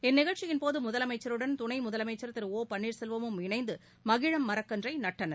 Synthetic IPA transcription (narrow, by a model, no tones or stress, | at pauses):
ɛnːɪɣɐɭʈt͡ʃɪjɪnpoːðɯmʊðɐlɐmɐɪt͡ʃːɐɾɯɽɐnt̪ʊnɐɪmʊðɐlɐmɐɪt͡ʃːɐɾt̪ːɐɾoːpɐɳːiːɾsɛlʋɐmɯmɪnɐɪnd̪ɯ | mɐɣɪɻɐmːɐɾɐkːɐndrɐɪnɐʈːɐnɐ